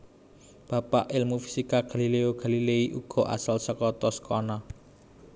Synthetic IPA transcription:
b̥ä̤paʔɪlmufi̥sikaɡ̥ä̤lileoɡ̥a̤lileiʔuɡ̥ɔ̤ʔa̰salsəkɔt̪ɔsə̥kɔnɔ

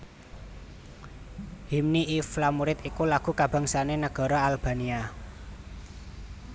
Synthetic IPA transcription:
himniʔiflamuɾɪt̪ikulaɡ̥ṳkab̥ä̤ŋsanenəɡ̥ɔ̤ɾɔalb̥a̤nia

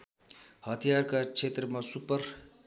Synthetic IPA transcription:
hʌt̪ʰijarkat͡sʰet̪rʌmasupʌr

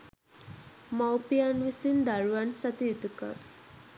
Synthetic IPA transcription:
mawpianʋisind̪aɭʋansat̪it̪ka̰

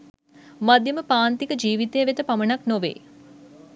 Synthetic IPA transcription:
mad̪jəməpaːnt̪ikəd͡ʒiːʋit̪ejəʋet̪əpamənaknoʋḛː

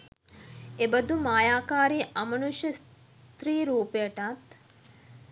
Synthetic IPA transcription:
ebɐd̪umaːjaːkaːɾiʔɐmɐnuʃjɐs | t̪ɾiːɾuːpejəʈat̪

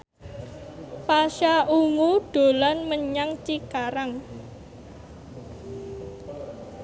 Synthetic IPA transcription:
paʃaʔuŋuɖ̥o̤lanməɲaŋt͡ʃikaɾaŋ

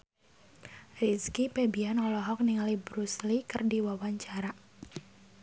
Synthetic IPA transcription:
riskipebianɔlɔɦɔk̚niŋalibɾuslikərdiwawaɲt͡ʃaɾa

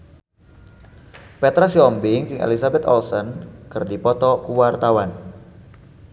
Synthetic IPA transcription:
pɛt̪ɾasiɔmbɪŋt͡ʃɪŋḛlisabɛt̪ɔ̰lsɔnkɨrdipɔt̪ɔkuwart̪awan

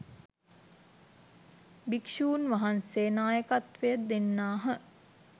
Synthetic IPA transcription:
bikʃuːnʋaɦanseːnaːjəkat̪ʋejəd̪enːaːɦə

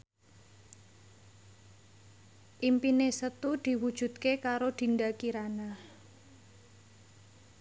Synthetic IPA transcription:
ʔimpinesət̪ud̪̥i̤wud̥ʒ̥ṳt̪̚kekaɾod̪̥i̤ndakiɾana

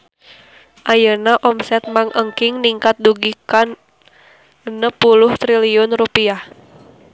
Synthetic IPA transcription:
ʔajənaʔɔmsɛt̪̚maŋʔəŋkɪŋniŋkat̪̚duɡikan | ənəpulʊht̪ɾiliʊnrupiah

